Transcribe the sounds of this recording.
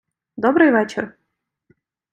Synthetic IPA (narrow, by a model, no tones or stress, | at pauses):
d̪obɾɨjvet͡ɕɪr